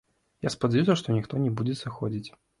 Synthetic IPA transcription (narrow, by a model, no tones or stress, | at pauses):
jaspɐd͡zʲajus̬ʲɐʂt̪ɔnʲixt̪ɔnʲɛbud͡zʲɛsɨxɔd͡zʲit͡sʲ